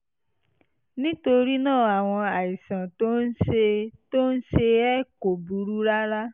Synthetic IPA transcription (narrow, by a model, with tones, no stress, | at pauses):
nĩ˦to˧ɾi˦nãː˦˨a˨w̃ɔ̃˧a˨i˨sã˨to˦n̩˦e˧to˦n̩˦ʃe˧ɛ˦ko˨bu˨˦ɾu˦ɾa˦ɾa˦